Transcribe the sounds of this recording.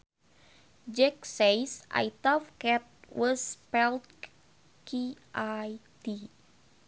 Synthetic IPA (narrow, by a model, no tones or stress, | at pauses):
d͡ʒɛk̚sejsʔa̰jt̪ɔfkɛt̪̚wɔspɛlt̪̚ | kiʔajt̪i